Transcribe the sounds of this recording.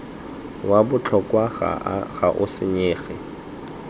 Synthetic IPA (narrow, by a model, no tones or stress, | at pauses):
wabʊt͡ɬʰɔkwaa̰ɣaʔʊsɪɲeːɣɪ̰